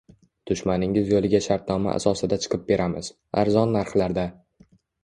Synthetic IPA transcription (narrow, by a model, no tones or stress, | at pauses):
d̪̥ʊʃmanɪŋɪzjolˠɪɡʲaʃaɾt̪̚nɒma̰ʔa̰sɒsɪd̪at͡ʃʰɨ̥qʰɨp̚be̞ɾʔamɪz | a̰ɾzɒnːaɾχlaɾd̪a